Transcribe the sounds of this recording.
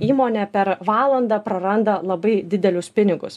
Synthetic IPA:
iːmoːnʲɛpʲɛɾʋɑːlˠɐnd̪ɐpɾɐɾɐnd̪ɐlˠɐbɐɪd̪ʲɪd̪ʲɛlʲʊspʲɪnʲɪɡʊ̰s

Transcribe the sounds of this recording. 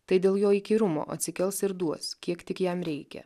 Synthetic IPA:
t̪ɐɪd̪ʲeːlˠjoːiːkʲiːɾʊmo̰ːʔɐ̰t̪ʲsʲɪkʲɛlˠsɪɾd̪uɔskʲiɛkt̪ʲɪkjɛmɾʲɛɪkʲɛ̰

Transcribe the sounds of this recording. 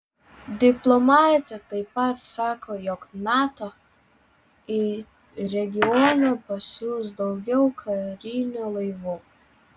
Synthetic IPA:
d̪ʲɪplˠɔmɑːt̪ʲɛt̪ɐɪpɐt̪sɑːkʰoːjɔknɑːt̪oː | ɪ | ɾʲɛɡʲɪɔːnʲuːpɐsʲusd̪ɒʊɡʲɛʊkʰɐɾʲɪnʲulˠɐɪʋuː

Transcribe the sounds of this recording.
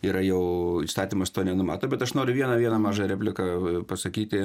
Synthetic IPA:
iːɾɐjɛʊist̪ɑːt̪ʲiːmɐst̪oːnʲɛnʊmɑ̰ːt̪oːbʲɛt̪ɐʃnoːɾʲʊʋʲiɛnɐʋʲiɛnɐmɑːʒɐɾʲæːpʲlʲɪkɐpɐsɐkʲiːt̪ʲɪ

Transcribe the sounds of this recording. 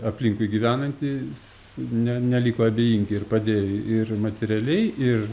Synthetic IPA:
ɐpʲlʲiŋkʊɪɡʲiʋʲæːnɐnʲt̪ʲiːs | nʲɛnʲɛlʲiːkoːɐbʲeːjiŋʲɡʲɪɪrpɐd̪ʲeːjoɪrmɐt̪ʲɛɾʲɛlʲɛɪɪr

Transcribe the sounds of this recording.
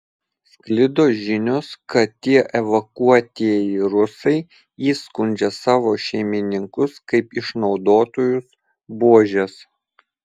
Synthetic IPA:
sklʲɪd̪oːʒʲɪnʲoskɐt̪t̪ʲːiɛʔɛʋɐkuɔt̪ʲiɛjɪɾʊsɐɪ | iːskʊnʲˑd͡ʒʲɛsɑːʋoːʃʲɛɪmʲɪnʲɪŋkʊskɐɪpɪʃnɒʊd̪oːt̪oːjʊs | buɔʒʲɛs

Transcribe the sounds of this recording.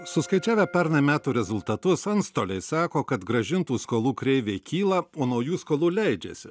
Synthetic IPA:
sʊskɐɪt͡ʃʲæːʋʲɛpʲɛɾnɐmʲæːt̪uːɾʲɛzʊlˠt̪ɐt̪ʊsɐnst̪oːlʲɛɪsɑːkoːkɐt̪ɡɾɐʒʲɪnt̪uːskoːlˠuːkɾʲɛɪʋʲeːkʲiːlˠɐoːnɐʊjuːskoːlˠuːlʲɛɪd͡ʒʲɛ̰sʲɪ

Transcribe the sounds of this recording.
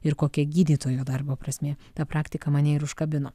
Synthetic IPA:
ɪɾkoːkʲɛɡʲiːd̪ʲiːt̪oːjoːd̪ɐrboːpɾɐsʲmʲeːt̪ɐpɾɑːkt̪ʲɪkɐmɐnʲɛɪɾʊʃkɐbʲɪnoː

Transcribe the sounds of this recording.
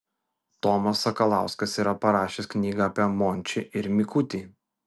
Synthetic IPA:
t̪ɔmɐsɐkɐlˠɑˑʊskɐsiːɾɐpɐɾɑːʃʲesknʲiːɡɐɐpʲiɛmɔːnʲt͡ʃʲɪʔɪɾmʲɪkʊt̪ʲiː

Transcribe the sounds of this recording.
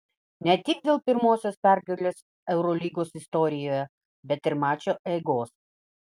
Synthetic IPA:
nʲɛt̪ʲɪɡ̚d̪ʲeːlˠpʲɪɾmoːsʲoːspʲæˑɾɡɐlʲeːs | ɛʊɾɔlʲiːɡoːsɪst̪ɔɾʲɪjoːjɛ | bʲɛt̪ɪɾmɑːt͡ʃʲoːʔɛːɡoːs

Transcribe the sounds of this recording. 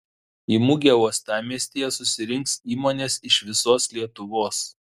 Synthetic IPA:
iːmʊɡʲɛuɔst̪ɑːmʲiɛsʲt̪ʲiːjɛsʊsʲɪɾʲɪŋksiːmoːnʲeːsɪʃʋʲɪsoːslʲiɛt̪ʊʋoːs

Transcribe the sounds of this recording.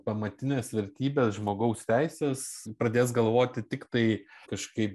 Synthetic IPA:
pɐmɐt̪ʲɪnʲeːsʋʲɛɾʲt̪ʲiːbʲeːsʒmoːɡɐʊst̪ʲæɪsʲeːspɾɐd̪ʲeːs̬ɡɐlˠʋoːt̪ʲɪt̪ʲɪkt̪ɐɪkɐʃkɐɪp

